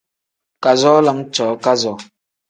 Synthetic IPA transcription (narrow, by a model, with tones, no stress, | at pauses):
ka˨zɔ˦lə˨˦ŋt͡ʃɔː˨˦ka˦zɔ˨